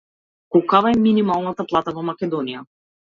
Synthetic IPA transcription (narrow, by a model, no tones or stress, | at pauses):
kɔkavaɛminimalˠnat̪aplˠat̪avɔmakʲɛd̪ɔnija